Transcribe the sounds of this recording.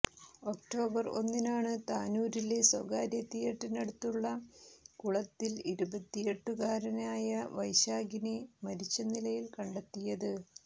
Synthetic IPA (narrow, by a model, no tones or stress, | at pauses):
o̞k̚ʈo̞ːbɐro̞̰nːinaːɳɨt̪aːnuːɾile̞soɡaːɾjɐt̪ːijeʈːɐnɐɽut̪ːuɭːɐkuɭɐt̪ːiliɾubɐt̪ːijeʈːukaːɾɐnaːjɐʋɐjɕaːɡinemɐɾit͡ɕːɐnilɐjilkɐɳɖɐt̪ːijɐðɨ